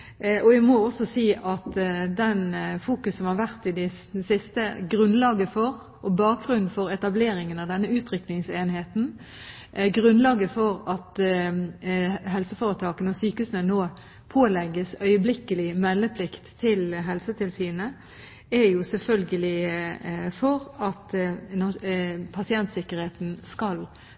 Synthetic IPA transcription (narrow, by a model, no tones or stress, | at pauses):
ʔɔæmɔɔsɔsiːʔɑt̪d̪ɛnfuːkʉsːɔmhɑɾʋæʁt̪ɪd̪ɛ | sɪst̪əɡʁʉnlɑːɡəfɔʁ | ʔɔbɑːk̚ɡʁʉnn̩fɔɾɛt̪ɑbleːɾɪŋənɑʋd̪ɛnːəʉːt̪ʰɾʏknɪŋseːnheːt̪n̩ | ɡʁʉnlɑːɡəfɔɾɑt̪ | ɦɛlsəfoːʁət̪ʰɑːkənɔsyːkəhʉːsənənoː | pʰoːlɛɡːəsœʏəblɪkəlɪmɛlːəpʰlɪkt̪ʰːɪlɦɛlsət̪ʰɪlsyːnə | ɛɾjʊsɛlfœlɡəlɪ | fɔʁɑt̪nɔpʰɑsɪɛnt̪sɪkːəʁɾheːt̪nskɑl